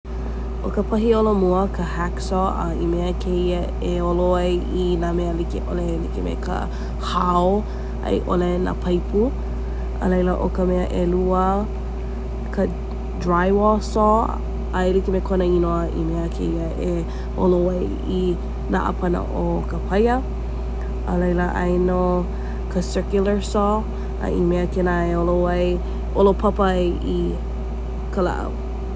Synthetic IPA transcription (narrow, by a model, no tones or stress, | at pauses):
ʔokəpʰɐɦiolomuəkʰəhɛksɔə̰imeəkʰeiə | eoloɐjinameəlikeʔolelikemḛkʰə̰ | hao | ɐ̰jʔolena̰pʰɐjpu | ə̰lejləʔokəmeəʔeluə | kʰə | dɹajwɔsɔ | aelikemekʰonəinoəʔḭmeəkʰḛiəʔe | o̰lowɐj | i | na̰ʔə̰pʰɐnə̰ʔokəpʰɐjə | ʔə̰lɐjləʔɐ̰jno | kʰəsɜ˞kjulə˞sɔ | ɐ̰ʔimeəkenaeolowɐj | ʔolopʰɐpəʔi | kʰəla̰ʔɐ̰w